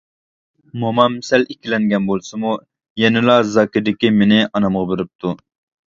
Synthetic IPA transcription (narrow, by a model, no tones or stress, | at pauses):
momɑmsɛlikʲʰilɛŋɡʲɛnbolˠsɨmu | jɛnɪlˠɑzɑːkʲɪd̪ɪkʲimenɪɑnɑmʁɑbeɾɪp̚t̪ʰu